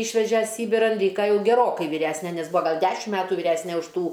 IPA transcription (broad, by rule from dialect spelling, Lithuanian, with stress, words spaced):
ˈiːʃʲʋʲɛʒʲɛ ˈsʲiːbʲɪrɐn ˈlʲiːkɐ ˈjɛʊ ɡʲɛˈroːkɐɪ ʋʲiːˈrʲæsʲnʲɛ nʲɛs ˈbʊɐ ˈɡɐlˠ ˈdʲæːʃʲɪm ˈmʲæːtʊ ʋʲiːˈrʲæsʲnʲɛ ʊʃ ˈtuː